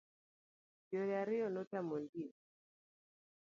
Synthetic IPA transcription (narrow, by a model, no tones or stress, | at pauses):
d͡ʒɔɾjaɾiɔnɔtamɔndi